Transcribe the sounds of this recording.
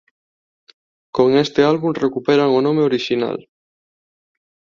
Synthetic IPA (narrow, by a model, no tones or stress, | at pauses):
koŋest̪ealβunrekupeɾaŋonõmeoɾiʃina̰l